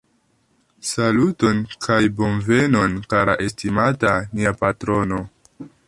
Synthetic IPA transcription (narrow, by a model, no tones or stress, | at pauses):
saluto̞nkʰajbo̞nve̞no̞nkaɾaʔe̞stimataniapatɾo̞no̞